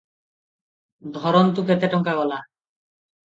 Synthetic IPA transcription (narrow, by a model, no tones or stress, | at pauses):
d̪ʱɔɾont̪uket̪eʈɔŋkaɡɔla